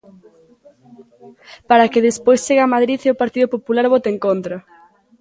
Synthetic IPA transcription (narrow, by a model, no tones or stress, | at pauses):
paɾakeðespojst͡ʃeɣamaðɾiθeopaɾt̪iðʊpopulaɾβot̪eŋkont̪ɾɐ